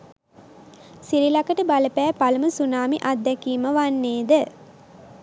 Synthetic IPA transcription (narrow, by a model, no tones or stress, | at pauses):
siɾilakəʈəbaləpæːpaləməsunaːmiʔat̪ːɛkiːməʋanːeːd̪ə